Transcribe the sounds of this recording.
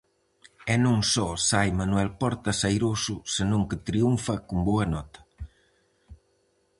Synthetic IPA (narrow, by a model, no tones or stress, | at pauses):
ɛnõŋsɔsajmanuɛlpɔɾt̪ɐsajɾosʊsɪnõŋkɪt̪ɾiuɱfɐkumboɐnɔt̪ɐ̥